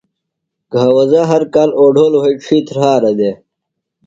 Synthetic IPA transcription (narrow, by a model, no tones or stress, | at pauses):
ɡ̥ʱaːwɐzaɦɐɾkaːloːɖʱoːlweiʈ͡ʂʰiːt̪ʰɾhaːɾɐd̪e